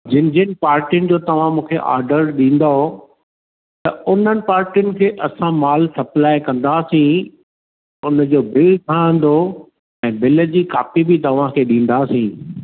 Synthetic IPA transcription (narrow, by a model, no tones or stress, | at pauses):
d͡ʑɪ̃nd͡ʑənɪ̆paːɾʈijʊnɪ̆d͡ʑoːt̪ɐʋ̤ãmũːkʰeʔa̰ːɾɖəɾɗĩːn̆d̪aɦo | t̪ɐʊn̤ənɪ̆paːɾʈijʊnɪ̆kʰeːʔɐsãmaːlsɐplaːɪkɐ̃nd̪aːsĩ | ʊnd͡ʑoːbɪlʈ̪ʰãːə̃n̆d̪o | ɛ̃ːbɪlə̆d͡ʑiːkaːfibɪt̪ɐʋ̤ãkʰeːɗĩːn̆d̪aːsĩ